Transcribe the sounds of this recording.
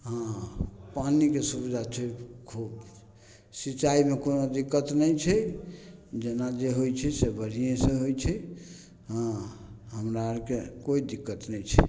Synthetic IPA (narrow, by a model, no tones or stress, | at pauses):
ɦãpanikesubid̪ʱat͡ʃʰɛkʰub | sit͡ʃaimekonod̪ikːət̪nɛjt͡ʃʰɛ | d͡ʒenad͡ʒeɦojt͡ʃʰɛsebəɾ̤ijẽsẽɦojt͡ʃʰɛ | ɦãɦəmɾakekoid̪ikːət̪nɛjt͡ʃʰɛ̰